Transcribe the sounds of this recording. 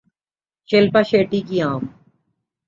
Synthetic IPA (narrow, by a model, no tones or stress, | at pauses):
t͡ʃelpaʃeːʈikiãːm